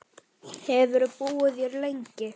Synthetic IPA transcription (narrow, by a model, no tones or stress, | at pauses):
hɛvʏɾʏpuːwʏðjœɾlejɲcɪ